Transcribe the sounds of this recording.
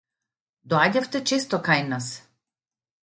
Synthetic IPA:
d̪ɔaɟaft̪ɛt͡ʃɛst̪ɔkajnas

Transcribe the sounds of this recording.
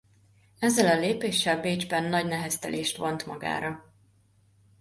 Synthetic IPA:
ɛzːɛlɒleːpeːʃːɛlbeːd͡ʒbɛnːɒɟnɛɦɛst̪ɛ̰leːʃt̪ʋont̪mɒɡa̰ːɾɒ

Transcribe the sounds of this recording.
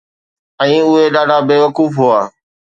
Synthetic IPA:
ɛ̃ːʊɦeɗaːɖʱaːbeːʋəkuːfɦʊaː

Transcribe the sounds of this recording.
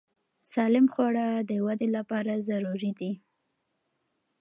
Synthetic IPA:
sɑlɪmxwɑɽad̪əwad̪elapɑɾazaɾuɾid̪i

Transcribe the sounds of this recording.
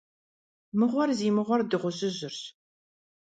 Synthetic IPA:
mɨʁʷɔrziːmɨʁʷɔrdɨʁʷʊɕʼɪʑɪrɕ

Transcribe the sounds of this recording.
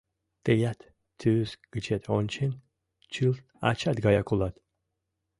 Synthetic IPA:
t̪ejat̪ːʰ | ysɡ̥ɨt͡ʃʰet̪ʰɔnʲt͡ʃʰin | t͡ʃʰɨlt̪ | a̰t͡ʃʰat̪̚ɡajakʰulat̪

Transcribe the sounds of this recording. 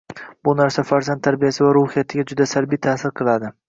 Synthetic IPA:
bʊnaɾsafaɾzant̪ʰːaɾbijasɪvaɾʊhɪjat̪ʰɪɡʲad͡ʒʊd̪asaɾbijt̪ʰasɪɾqʰɨlˠad̪ɪ

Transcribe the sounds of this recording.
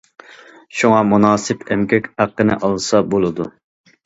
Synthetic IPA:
ʃuŋɑmunɑːsɨpɛmkʲʰɛkʲæqːənɨ̰ʔɑlˠsɑbolˠɨd̪u

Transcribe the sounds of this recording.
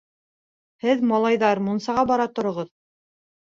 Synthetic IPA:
hɘðmɑlˠɑjðɑɾmunsɑʁɑbɑɾɑt̪ŏɾŏʁɤð

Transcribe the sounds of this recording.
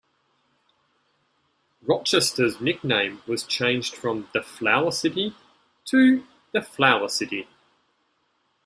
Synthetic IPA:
ɹɒt͡ʃɛstəznɪk̚nẽɪ̃mwɒz̥t͡ʃʰẽɪ̃nd͡ʒd̥fɹə̃mðəflaʊəsɪti | tʰə | ðəflaʊəsɪti

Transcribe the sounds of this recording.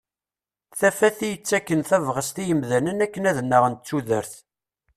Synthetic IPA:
θæfæθijət͡sːækːənθævʁəst̪ijəmðænənækːənæðənːəʁənt̪t͡sːuðəɾθ

